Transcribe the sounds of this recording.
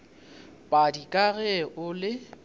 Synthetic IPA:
pʼadikʼaɣɛʔʊlɪ

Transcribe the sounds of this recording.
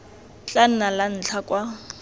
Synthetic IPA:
t͡ɬʼan̩nalan̩t͡ɬʰakʼwa

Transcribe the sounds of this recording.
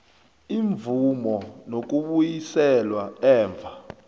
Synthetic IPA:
iɱvumɔnok̬uɓujisɛlwaɛːɱb̪vʱa

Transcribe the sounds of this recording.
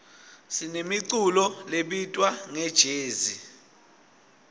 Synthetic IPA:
sinemiǀulɔleɓitʼwaŋɛd̥ʒ̥ʱeːzi

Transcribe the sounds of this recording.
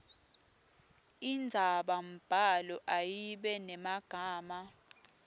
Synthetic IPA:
ind͡zʱaɓam̩b̥ʱalɔʔajiɓɛnɛmaɡ̥ʱaːma

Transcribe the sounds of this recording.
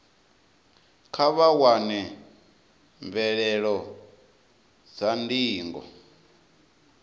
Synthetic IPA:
kʰaβawanɛ | ɱvɛɺɛɺɔ | d͡zandiːŋɡɔ̰

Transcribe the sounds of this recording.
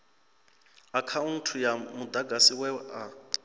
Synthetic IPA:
akʰaun̩tʰujamud̪aɡʱasiwɛʔa

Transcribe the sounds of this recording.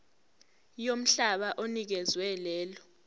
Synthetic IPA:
jom̩ɬaɓaʔonik̬ɛzwɛlɛːlɔ

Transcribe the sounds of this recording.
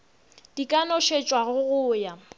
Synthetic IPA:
d̥ikʼanɔʃet͡ʃʼwaɣʊɣʊːja

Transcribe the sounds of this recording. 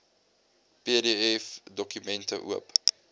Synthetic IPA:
peədeɛfdɔkymɛntə̰ʔṵəp

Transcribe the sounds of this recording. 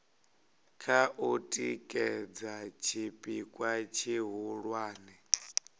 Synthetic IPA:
kʰaʔutʼikʼɛd͡zat͡ʃʰipʼikʼwat͡ʃʰiɦuɺwaːnɛ

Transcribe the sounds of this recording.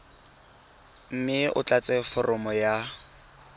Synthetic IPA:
m̩mɪʔʊ̰t͡ɬat͡sʼɛfɔrʔɔmɔja

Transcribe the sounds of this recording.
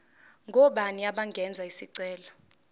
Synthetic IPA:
ŋɡʱɔɓaniaɓaŋɡʱɛnd͡zʱaisiǀɛːlɔ

